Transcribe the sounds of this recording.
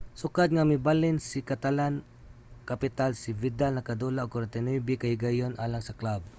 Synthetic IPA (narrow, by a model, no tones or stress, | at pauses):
sʊkad̪̚ŋamɪbalɪnsikat̪alan | kapɪt̪alsɪvɪd̪alnɐkad̪ulaʔoɡkoɾɛnt̪ɛnibɪkahɪɡajonʔaːlaŋsɐklab̚